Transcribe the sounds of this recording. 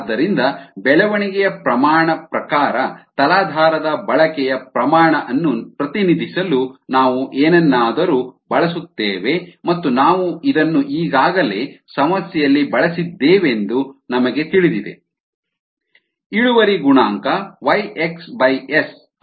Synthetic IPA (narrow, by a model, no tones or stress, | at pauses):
d̪ːɐɾind̪ɐbɛɭɐʋɐɳiɡɛjɐpɾɐmaːɳɐpɾɐkaːɾɐt̪ɐlaːd̪ʱaːɾɐd̪ɐbɐɭɐkɛjɐpɾɐmaːɳɐʔɐnːupɾɐt̪inid̪ʱisɐlunaːʋuʔeːnɛnːaːd̪ɐɾubɐɭɐsut̪ːeːʋe̞mɐt̪ːunaːʋuid̪ɐnːuʔiːɡaːɡɐle̞ːsɐmɐsjɛjɐlːibɐɭɐsid̪ːeːʋe̞nd̪unɐmɐɡe̞t̪iɭid̪id̪e̞̰ | iɭuʋɐɾiɡuɳaːŋkɐʋɐjeksbɐjes